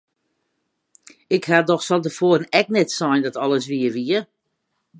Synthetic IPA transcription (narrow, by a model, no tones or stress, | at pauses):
ɪkhadɔxsɔlˠdəfoərnɛknɛtsɔjndɔtɔlˠəs̬ʋiəʋiə